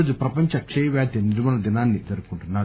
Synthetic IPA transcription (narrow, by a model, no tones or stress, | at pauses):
d̪upɾɐpɐɲt͡ʃɐkʂɐjɐʋjaːd̪jɐniɾumɐnɐd̪inaːnːit̪ɐɾukːuɳʈunːaː